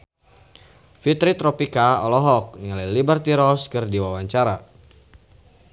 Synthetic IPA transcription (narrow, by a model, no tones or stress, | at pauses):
fit̪ɾit̪ɾɔpikaɔlɔɦɔk̚niŋalalibərt̪iɾɔskɨrdiwawaɲt͡ʃaɾa